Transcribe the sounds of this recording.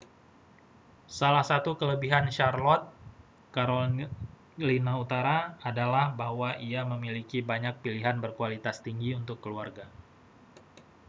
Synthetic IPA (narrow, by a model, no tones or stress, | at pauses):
salahsat̪ukələbiɦanʃarlɔt̪̚ | kaɾo | linaut̪aɾaadalahbaɦwaʔiaməmilikibaɲak̚piliɦanbərkualit̪ast̪iŋɡiunt̪ʊkːəluarɡa